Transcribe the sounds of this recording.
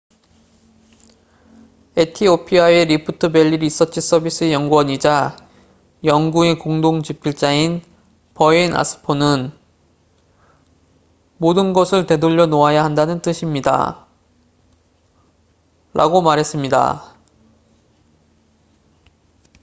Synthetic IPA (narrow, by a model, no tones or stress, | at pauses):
etʰiopʰiajeɾipʰutʰɯbe̞ʎːiɾis͈ʌt͡ɕ͈ʰis͈ʌbis͈ʰɯejʌŋɡuʌɲid͡ʑa | jʌŋɡue̞koŋdoŋt͡ɕipʰiɭt͡ɕ͈ain | pʌina̰sʰɯ̥pʰonɯn | modɯnɡʌsʰɯɭte̞doʎːʌnoajaɦandanɯnt͈ɯɕʰimɲida̰ | ɾa̰ɡomaɾɦe̞s͈ɯmɲida̰